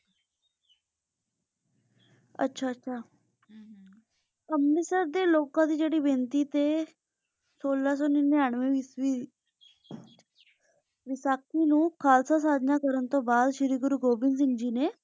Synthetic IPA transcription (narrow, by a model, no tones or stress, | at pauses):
ə̰tːɕʰaətːɕʰa | əmmisəɾd̪elokãt̪iːd͡ʑeɽiːbʱent̪iːt̪e | solːas̬oninːeaɳʋeʋii | ʋisakinũːkʰalsas̬ad̪ʱnakəɾənt̪obad̪ɕiɾiɡuɾuɡobins̬ind͡ʑine